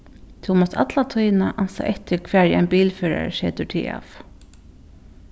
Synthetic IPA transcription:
t̪ʰuwmɔst̪ʰat̪lat̪ʰœjnaʔansa̰ʔɛht̪ɪɾkʰvɛːɹa̰jnpiːlfœːɾa̰ɹʃɛːt̪ʏɹt̪ʰḭːa̰ːf

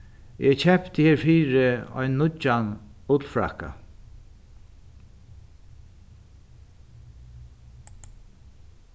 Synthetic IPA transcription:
ʔɛt͡ɕʰɛpt̪əheːɹfiːɾɪɔ̰jnːʊt͡ʃːanʊt̪l̩fɹa̰ka̰

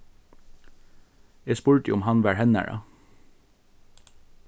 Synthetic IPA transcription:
eːspʉɹʈḭʊmhɑnʋæːɹhɛnæ̰ɹɑ̰

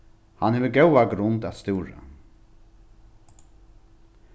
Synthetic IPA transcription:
ha̰nheːʋəɡɛwaɡɾʊnt̪at̪st̪ɪːɾa̰

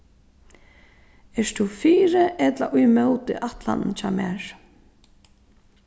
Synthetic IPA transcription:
ɛst̪ʰufiːɾɪʔɛt̪la̰ʔʊjmɛwt̪ɪ̰ʔaht̪la̰nnt͡ʃʰaːmɛ̰ːɹ̥

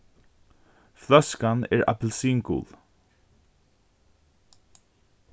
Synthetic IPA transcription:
flœskanɛ̰ːɹa̰plsiːŋkṵːl

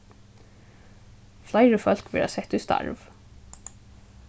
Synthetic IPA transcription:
flæɪɹəfœlkʋɪ̰lɑ̰sɛt̪ʉst̪ɑ̰ɹʋ

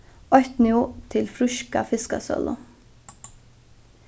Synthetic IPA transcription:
ɔht̪nɪʊt̪ʰɪlfɾʏʃka̰fɪskasœ̰lə̰

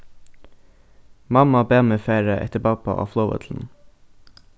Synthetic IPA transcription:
mɑmɑbeːməfeːɹəʔɛ̰t̪əbɑpɑ̰ʔɑ̰ːfloʊʋə̰t̪ʰl̩n̩

